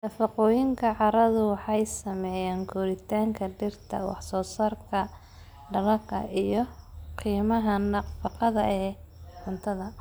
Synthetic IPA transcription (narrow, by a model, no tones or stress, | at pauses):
nɐfɑqɔːjɪŋkʰɐʕɑɾɐðʊwɑħɑjsɐmɛjaːŋkʰʊɾɪt̪ʰaːŋkʰɐɖɪrt̪ʰɐ̰wɑ̰ħsɔːsɐrkʰɐ | ɖɐlɐkʰɐ̰ʔijɞqiːmɐɦɐnɐfɑqɑðɐʔɛːhʊnt̪ʰɐðɐ